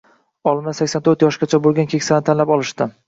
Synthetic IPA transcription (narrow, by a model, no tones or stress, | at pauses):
ɒlˠmasakʲsant̪ʰɵɾt̪jɒʃɡʲat͡ʃʰabolˠɡʲankʲʰekʲsanɪt̪ʰanlapɒlˠɪʃt̪ɪ